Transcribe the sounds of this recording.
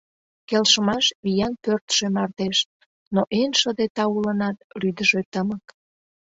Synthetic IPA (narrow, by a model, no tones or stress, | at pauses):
kelʃəmɑʃβijɑnpørt̪ʃemɑrt̪eʃ | noʔenʃəd̪et̪ɑulənɑt̪̚ryd̪əʒet̪əmək